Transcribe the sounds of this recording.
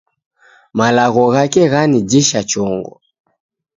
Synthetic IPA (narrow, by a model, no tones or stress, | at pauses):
malaɣɔɣakɛɣanid͡ʒiʃat͡ʃɔŋɡɔ̰